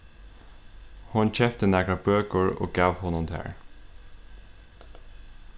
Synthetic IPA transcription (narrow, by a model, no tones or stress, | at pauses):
hʊnc͡çɛpt̪ənæːɡɹɑbøːkəɹo̰ːɡɑːʋhʊnʊmd̪ʰæ̰ːɹ